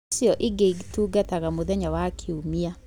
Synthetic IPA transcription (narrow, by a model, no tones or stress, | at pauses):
sjɔʔiɡeiɡituːɡataɣamoðɛɲawakʰeumia